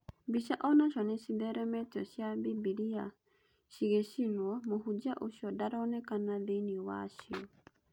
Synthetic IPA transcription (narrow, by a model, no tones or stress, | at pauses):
biʃaʔɔnaʃɔnɛsiðɛɾɛmɛtɔʃjabibiɾia | ʃiɣeʃinwɔmohud͡ʒaʔoʃjɔdaɾɔnɛkanaðeniwaʃiɔ